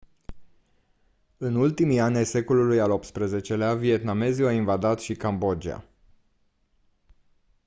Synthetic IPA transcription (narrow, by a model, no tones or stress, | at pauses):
ɨnult̪imijanʲajse̞ko̞lulujalo̞p̚t̪spɾəze̞t͡ʃe̞leavie̞t̪name̞ziainvad̪at̪ʃikambo̞d͡ʒia̰